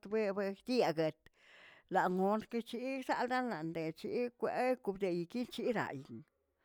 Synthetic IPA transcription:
t̪be˦be˧d̪i˦a˧ɡe˧t̪ | la˨ŋo˧nke˧t͡ʃi˦sa˦˧ld̪a˦nla˨nd̪e˨t͡ʃi˧˦kʷe˨˧ku˧bd̪e˨ji˨ki˦nt͡ʃi˦ɾa̰˨jn

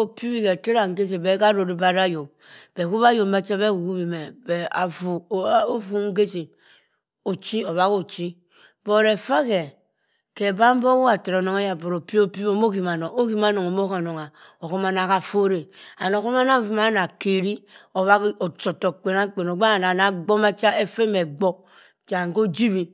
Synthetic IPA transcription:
o˨pi˦bi˦ke˨te˦ɾa˨ŋ̩˨ɡe˦s̬e˨be˨˦ka˦ɾo˨ɾi˦ba˦ɾa˦jo˨m | b̥e˨ku˦βa˦jo˨m˦ba˦t͡ʃe˦be˦ku˨ku˦bi˨me˨be˨a̰˨vu˨˦o˦vu˦ŋ̩˦ɡe˦se˨ | o˨t͡ʃi˦o˨βa˦ko˨t͡ʃi˦ | b̥o˦˨ɾe˨fa˦ke˨ | ke˨ba˦m˦bo˦wu˦a˨te˨ɾo˨no˦ŋe˦ja˨bo˨ɾo˨pi˦o˦pi˦bo˦m˦o˦ki˨ma˨no˨o˦ki˦ma˦no˨ŋo˨mo˦ka˨no˨ŋa˨o˨ko˦ma˦na˦˨ka˨fo˦ɾe˨a˨n˨o˨ko˦ma˦na˦˨vu˨˦ma˦na˨ke˨ɾi˦o˨βa˦ko˨t͡ʃo˨to˨k͡pe˨na˦k͡pe˨no˨ɡ͡ba˦˨na˨na˨ɡ͡bo˦ma˦t͡ʃa˦e˦fe˦me˨ɡ͡bo˦ | t͡ʃa˨ŋ˨ko˦d͡ʒi˦βi˨

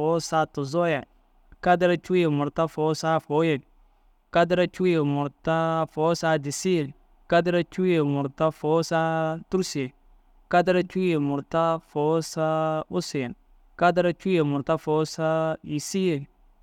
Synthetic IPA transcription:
ɔ˨˦sa˦tʊ˨zɔ˦ja˨ | ka˦dɪ˦ɾa˦t͡ʃu˦je˨mʊ˨ɾta˦fo˨˦sa˦fo˦je˨l | ka˦dɾa˦t͡ʃu˦je˨mʊ˨ɾta˦fo˨˦sa˦dɪ˨si˦e˨l | ka˦dɪ˦ɾa˦t͡ʃu˦je˨mʊ˨ɾta˦fo˨˦sa˦tu˦ɾse˨ | ka˦dɪ˦ɾa˦t͡ʃu˦je˨mʊ˨ɾta˦fɔ˨˦sa˦ʊ˦sɪ˨n | ka˦dɪ˦ɾa˦t͡ʃu˦je˨mʊ˨ɾta˦fo˨˦sa˦i˨si˦e˨l

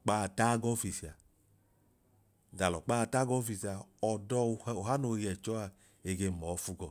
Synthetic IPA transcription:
k͡pa˦˨˧ta˦ɡɔ˦fi˨si˨a˨ | da˨lɔ˨k͡pa˦˧ta˦ɡɔ˦fi˧sa˨ɔ˨dɔ˧˨˦o˨ɦa˦no˧˨˦jɛ˨t͡ʃɔ˦a˧ | e˧˨ɡe˧mɔ˨˦fu˧ɡɔ˨

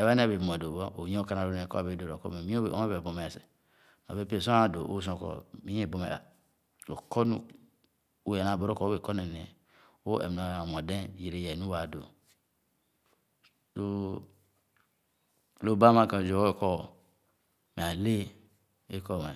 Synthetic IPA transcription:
e˨βa˦n˦˨be˨bm˨e˨do˨bo˦ʔo˨ɲ˦ka˦na˨ɾo˨˦nẽ˨kɔ̰˦a˨be˨˦do˨ɾo˨kɔ̰˦me˨mi˦o˦˨o̰˦e˦be˨bo˨me˨se̥˨ | n˨o̰˨be˦pe˨sõ˦a˨do̰˨ʔo̰˦s̬õ˨kɔ̰˨mi˦e˦˨bo˨mḛ˨ | lo˨ko˦nu˦ | o˦e˨na˨bo˨ɾo˦ko˦e˨ko˦ne˨ne˨ | o˦ḛ˨m˨na˨mo˨dẽ˦ji˨ɾe˦je˨nu˦wa˨do̰˨ | lo˦ | lo˦˨ba˦ma˦˨ka˨d͡ʒo˨˦kɔ˦ | me˨a˨le˦ | e˦kɔ˦˨me˨

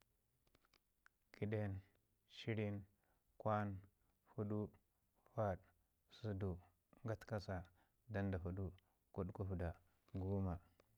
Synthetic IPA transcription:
ki˨ɗe˦n | ʃi˦ɾi˦n | kwa˦n | fu˦ɗu˦ | fa˦ɗ | su˦du˨ | ŋɡa˦tka˦sa˨ | da˦nda˨fu˨du˦ | ku˦ɗku˦fu˨da˨ | ɡu˦ma˨

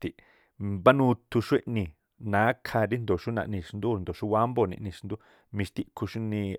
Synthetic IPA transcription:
t̪i˨ʔ | ba˦nu˧t̪u˧ʂe˦ʔnĩ˧ | nã˨˦kʰa˧ɾi˦nd̪o˨ʃu˦na̰˧ʔnĩ˧ʂnd̪u˦˧nd̪o˨ʃu˦wa˦mbo˧nḭ̃˨ʔnĩ˧ʂnd̪u˦ | mĩ˧ʃt̪i˧kʰu˧ʂu˦nĩ˧

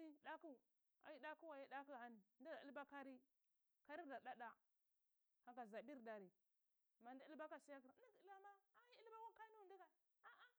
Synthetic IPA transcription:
i˦da˦ku˦˨ | a̰˨ji˦da˦ku˦wa˨ji˦da˦ku˦˨a˨ni˨ndi˦da˨ḭ˦lba˦ka˦ɾi˦ | ka˦ɾi˦˨da˨ɗa˦ɗa˨ | ha˨ka˨za˨bi˦ɾda˨ɾi˨ | ma˨n˦da˦i˦lba˦ka˦si˦ja˦ki˨ɾi˦ki˦la˦ma˦a˦ji˦i˦lba˦ka˦ka˦i˦nu˦˨ndi˦ɡa˨ | a˦ʔa˦

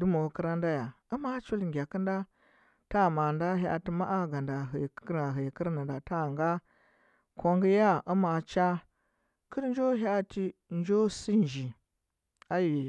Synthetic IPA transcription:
du˦mo˨kə˦ɾa˦nda˦ja˨u˦ma˦t͡ʃu˦lŋɡʲa˨ki˦nda˦ | ta˦˨ma˨nda˦ɦa̰˨ti˦ma˦ʔa˦ɡa˨nda˨ɦə˨˦a˨ɦə˨ki˦ɾna˨nda˨ta˦˨ŋɡa˦ | ko˦ŋɡi˦ja˦ʔu˦ma˨t͡ʃa˦ | kʰi˦ɾn˦d͡ʒo˦ɦa˦ti˦ | nd͡ʒo˦si˦nd͡ʒi˨ | a˦ji˨

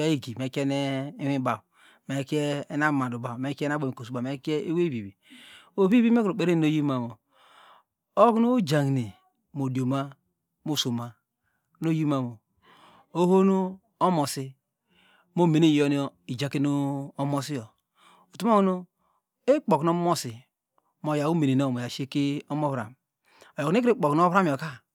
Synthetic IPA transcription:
a˦i˦ɡi˨me˨˦ke˦ne˦i˦hi˦ba˨ | me˨˦ke˦na˦˨ma˨u˨ba˨me˨˦ke˦na˦bo˨mi˨ko˨su˨˦ba˨e˨˦ke˦e˦we˦bi˨bi˨o˨bi˦bi˦me˦ko˨k͡pe˨ɾe˦˨no˦ji˦ma˨mo˨ | o˦knu˦d͡ʒa˨ŋ˨ni˨ | mo˨di˨o˨ma˦ | mo˦˨so˨ma˦ | no˦ji˦ma˦mo˨ | o˦ho˦no˦ | o˦mo˨si˦ | mo˦me˨ni˦˨jo˦ni˦o˦i˨d͡ʒa˨˦ki˦no˦o˦mo˦si˦jo˨ | o˨tu˦ma˦kno˦ | e˦k͡po˨kno˦mo˦si˨ | mo˨ja˨u˦me˨ne˨n˦o˦˨mo˨ja˨ʃe˦ki˦o˦mo˦βɾa̰˨m | o˨jo˨kn˦e˦kɾe˦k͡po˨kn˦o˦βɾa˦m˨o˨ka˦

